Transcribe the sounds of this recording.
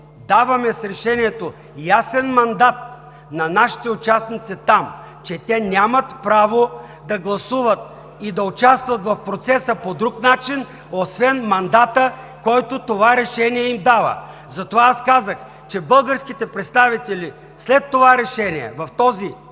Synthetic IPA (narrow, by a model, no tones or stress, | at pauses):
d̪avɐmɛsɾɛʃɛniɛt̪o | jasɛnmɐnd̪at̪̚ | nɐnaʃi̥t̪ɛʊt͡ʃasnit̪sit̪am | t͡ʃɛt̪ɛnʲamɐt̪pɾavo | d̪ɐɡlˠɐsuvət̪ | id̪ɐʊt͡ʃast̪vɐt̪vɐfpɾot̪sɛsəpod̪ɾuknat͡ʃin | osvɛnmɐnd̪at̪ə | kɔjt̪ot̪ovaɾɛʃɛniɛimd̪avə̰ | zɐt̪ovaaskazəx | t͡ʃɛbəlˠɡəɾskit̪ɛpɾɛt̪st̪avit̪ɛlʲi | slɛt̪ːovaɾɛʃɛniɛ̰vɐft̪ɔzi